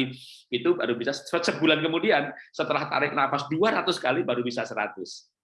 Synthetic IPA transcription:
i | it̪ubaɾubisasəbulankəmudiansət̪əlaht̪a̰ɾɪk̚nafasduaɾat̪ʊskalibaɾubisasəɾa̰t̪ʊs

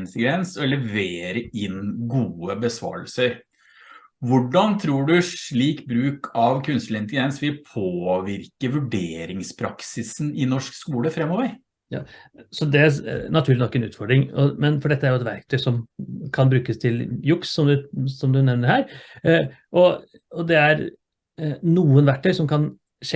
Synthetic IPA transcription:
nt̪əɡɾɛnsɔlɛʋeːɾəɪnɡuːəbəsʋɑ̰ːɾəlsəɾ | ʋʊɖɑnt̪ʰɾuːɖʉʂɭiːkbɾʉːkʰɑʋkʰʉnst̪lɪnt̪əɡ̪ɛnsʋɪlpʰoːʋɪɾkəʋʉɖeːɾɪŋspʰɾɑksɪsnɪnɔʂkskuːləfɾɛmːɔʋəɾ | jɑ̰ːsɔd̪ɛænɑt̪ʰʉːɾlɪnɔkːɛnʉ̰ːt̪fɔɖɾɪŋɔ̰mɛnfɔɖɛt̪ːəæɾjʊɛt̪ʋæɾk̚t̪ʰœʏsɔmkʰɑnbɾʉːkəst̪ʰɪljʊksːɔmd̪ʉsɔmd̪ʉnɛʋnəɾhæːɾ | ʔɔ | ɔd̪ɛæɾ | nuːənʋæɾ̚t̪ʰœʏsɔmkʰɑn | ʂɛ

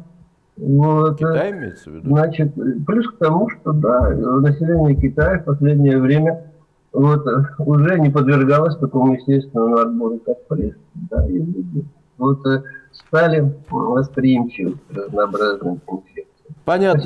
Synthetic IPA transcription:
nuɛt̪ə | znat͡ɕɪt̪plʲusk̚t̪ɐmuʂt̪o̞d̪avnəsʲɪlʲenʲɪjəkʲɪt̪ajəfpɐsʲlʲedʲnʲɪjəvɾʲemʲə | vo̞t̪ʊʐɛnʲɪpəd̪vʲɪrɡalˠəsʲt̪ɐko̞mʊjɪsʲtʲest̪vʲɪnəmɐrboɾʲɪkak̚pɾʲɪs | d̪a̰ilʲudʲɪ | vo̞t̪st̪alʲɪvəspɾʲɪjimt͡ɕɪvə̰tsərəznɐːbɾaznɨɪnfʲek̚t̪sɨ

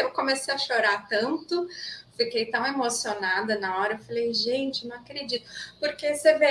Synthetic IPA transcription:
ewkõmesejɐʃoɾaɾt̪ɐ̃nt̪ʊfikejt̪ɐ̃w̃emosionad̪ɐnɐɔɾɐewfalejʒẽt͡ʃɪnɐ̃w̃akɾed͡ʒit̪ʊ̥poɾkeseve

